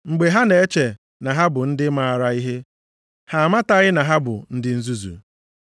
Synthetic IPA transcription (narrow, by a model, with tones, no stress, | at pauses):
ŋ͡m̩˨ɡ͡be˨ɦa˦ne˨e˦t͡ʃe˨ | na˨ɦa˦bʊ˨n̩˦dɪ˦ma˨a˨ɾa˦i˦ɦe˦ | ha˨ma˦ta˦ɣɪ˦na˨ɦa˦bʊ̰˨n̩˦dɪ˦n̩˦zu˦zṵ˨